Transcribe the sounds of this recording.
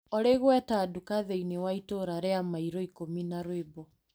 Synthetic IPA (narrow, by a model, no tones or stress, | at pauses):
ɔɾeɣwɛtadukaðeinewaitoɾaɾeamaiɾɔikominaɾwebɔ